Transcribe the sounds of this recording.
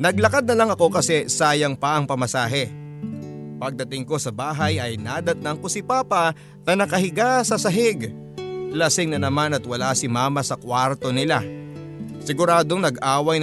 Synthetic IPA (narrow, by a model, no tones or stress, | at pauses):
nɐɡ̚lɐkad̪nɐlɐŋɐko̞kɐsɛsaːjɐŋpɐʔɐŋpɐmɐsaːɦɛ | pɐɡ̚d̪ɐt̪ɪŋko̞sɐbaːɦɐjʔɐjnad̪ɐt̪ɐŋkosɪpaːpɐ | nɐnɐkɐɦɪɡasɐsɐɦɪɡ | lɐsɪŋnɐnɐmanɐt̪wɐlasɪmaːmɐsɐkwaɾt̪o̞nɪla | sɪɡʊɾaːd̪o̞ŋnɐɡʔaːwɐj